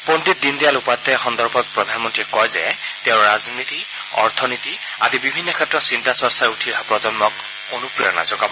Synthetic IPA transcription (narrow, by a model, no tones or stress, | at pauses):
pondit̚dindijalupajt̪ɛxɔndɔɹbʱɔt̚pɹɔdʱanmɔntɹiɛkɔjzɛ̰ | tɛʊ̃ɹazniti | ɔɹt̪ʰɔniti | azibibʱinːɔkʰɛtːɹɔtsintasɔɹsaɹutʰiapɹɔzɔnmɔk | onupɹiɔ̰na̰zɔɡabɔ